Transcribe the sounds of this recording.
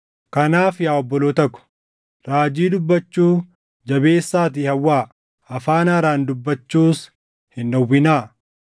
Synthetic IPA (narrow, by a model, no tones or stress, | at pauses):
kɐnaːfjaːɔbːɔloːt̪ɐkʊ̥ | ɾaːd͡ʒiːd̪ʊbːɐt͡ʃːuː | d͡ʒɐbe̞ːsːaːt̪̬iːhɐwːaː | ɐfaːnɐːɾaːnd̪ʊbːɐt͡ʃːuːs | hɪndɐwːɪnaː